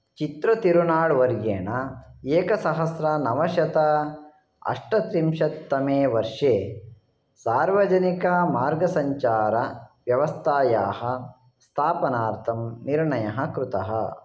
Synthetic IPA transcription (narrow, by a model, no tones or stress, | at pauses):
t͡ʃit̪ɾɐt̪iɾunaːɽʋɐɾjeːɳɐeːkɐsɐɦɐsɾɐnɐʋɐʃɐt̪ɐ | ɐ̰ʂʈɐt̪ɾimʃɐt̪ːɐmeːʋɐɾʂeː | saːɾʋɐd͡ʒɐnikɐmaːɾɡɐsɐɲt͡ʃaːɾɐʋjɐʋɐst̪ʰaːjaːɦɐ | st̪ʰaːpɐnaːɾt̪ʰɐmniɾɳɐjɐɦɐkɾut̪ɐɦɐ̰